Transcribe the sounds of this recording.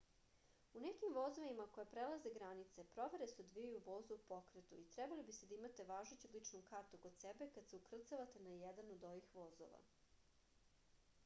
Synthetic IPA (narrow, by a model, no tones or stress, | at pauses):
unekimʋo̞zoʋimakojapɾelˠaze̞ɡɾanit̪sepɾo̞ʋe̞ɾesud̪ʋijuʋo̞ːzuupo̞kɾet̪uit̪ɾɛbalibised̪aimat̪e̞ʋaːʒet͡ɕud̪lˠit͡ʂnukaɾt̪ukod̪sebekad̪seukr̩t̪saʋat̪e̞najɛd̪anod̪oʋixʋozo̰ʋa̰